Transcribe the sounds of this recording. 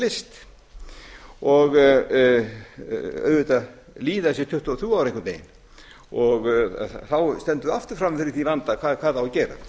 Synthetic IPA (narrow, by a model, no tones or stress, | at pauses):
lɪst̪ | ɔɣ | œ̰ːððʏt̪a | liːðasjɛt̪ʰʏht̪ʏɔθuawɾeŋkʏnt̪eːjɪn | ɔɣθawst̪ɛnt̪ʏðaft̪ʏɾ̥fɾamfɪɾɪɾθivant̪akʰakʰaːðawcɛːɾa̰θ